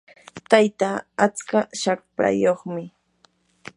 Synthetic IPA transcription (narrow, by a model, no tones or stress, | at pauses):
t̪ajt̪aat͡skaʃak̚pa̰joχmɪ